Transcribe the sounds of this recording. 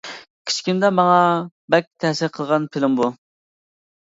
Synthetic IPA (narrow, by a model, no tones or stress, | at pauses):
kʲʰi̥t͡ʃkʲind̪ɛmɑŋɑ | bɛk̚ʲt̪ʰɛhsɪɾqʰəlˠʁɑnpʰɪlɪmbu